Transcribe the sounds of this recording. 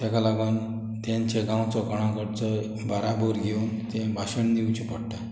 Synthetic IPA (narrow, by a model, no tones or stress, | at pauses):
t̪akalaɡan | t̪aɲt͡ɕeɡãwt͡sɔkɔɽ̃ãkəɽt͡sɔ | bʱaɾaboɾɡewnt̪ẽbʱaɕəɳniwt͡ɕipɔɽʈa